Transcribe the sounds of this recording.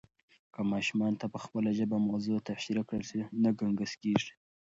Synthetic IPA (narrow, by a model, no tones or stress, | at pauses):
kamɑʃumɑnt̪apəxpəlaʒəbamazot̪aʃiɾakɽəlsinaɡaŋɡəskeʐi̥